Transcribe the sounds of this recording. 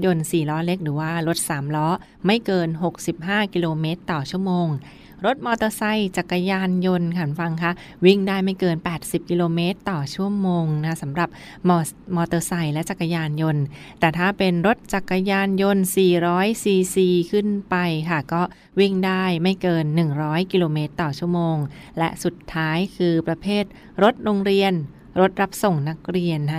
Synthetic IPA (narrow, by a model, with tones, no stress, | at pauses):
jo˧nsiː˨˩lɔː˦˥le˦˥k̚ɾɯː˩˦waː˥˩ɾo˦˥t̪̚saː˩˦mlɔː˦˥ | ma˥˩jkɤː˧nɦo˨˩k̚si˨˩p̚ɦaː˥˩ki˧loː˧meː˦˥t̪ːɔː˨˩t͡ɕʰu˥˩əmoː˧ŋ | ɾo˦˥t̪̚mɔː˧t̪ɤː˧sa˧jt͡ɕa˨˩kːa˧jaː˧njo˧nkʰa˧˥˩nfa˧ŋkʰa˦˥˩ | wi˥˩ŋdaː˥˩jma˥˩jkɤː˧npɛː˨˩t̪̚si˨˩p̚ki˧loː˧meː˦˥t̪ːɔː˨˩t͡ɕʰu˥˩əmoː˧ŋna˦˥sa˩˦mɾa˨˩p̚ | mɔː˧ | mɔː˧t̪ɤː˧sa˧jlɛ˦˥t͡ɕa˨˩kːa˧jaː˧njo˧nt̪ɛː˨˩t̪ʰaː˥˩pe˧nɾo˦˥t̪̚t͡ɕa˨˩kːa˧jaː˧njo˧nsiː˨˩ɾɔː˦˥jsiː˧siː˧kʰɯ˥˩npa˧jkʰa˥˩kɔː˥˩ | wi˥˩ŋdaː˥˩jma˥˩jkɤː˧nːɯ˨˩ŋɾɔː˦˥jki˧loː˧meː˦˥t̪ːɔː˨˩t͡ɕʰu˥˩əmoː˧ŋ | lɛ̰˦˥ʔsu˨˩t̪ʰːaː˦˥jkʰɯː˧pɾa˧pʰeː˥˩t̪̚ | ɾo˦˥t̪̚ɾoː˧ŋɾi˧ən | ɾo˦˥t̪̚ɾa˦˥p̚so˨˩ŋna˦˥k̚ɾi˧əna˦˥